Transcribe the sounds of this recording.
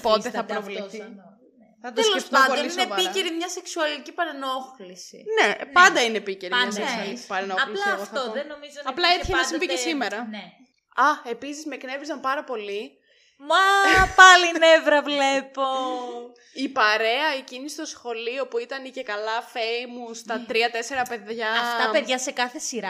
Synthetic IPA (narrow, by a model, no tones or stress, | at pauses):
pot̪eθɐpɾovleθi | θɐt̪esloesft̪oɐnod̪onlisiineiceɾimɲɐseksuɐlicipɐɾenoxlisḭne̞pɐnd̪ɐinepiceɾimɲɐɐsesuɐlici̥pɐɾenoɐxlilsɐɣoθɐoðenomizoɐplɐeçenɐsimvicesimeɾɐne | ɐe̞pisizme̞kne̞vɾizɐmpɐɾɐpo̞li | mɐpɐlinevɾɐvlepo | ipɐɾe̞ɐecinist̪osxo̞lio̞puit̪ɐnice̞kɐlɐfeimust̪ɐt̪ɾiɐt̪e̞se̞ɾɐpe̞ðʝɐɐft̪ɐpeðʝɐse̞kɐθe̞siɾɐ